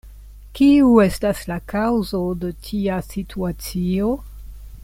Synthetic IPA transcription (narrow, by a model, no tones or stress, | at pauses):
kiue̞staslakawzodetʰiasitʰuat͡sio̞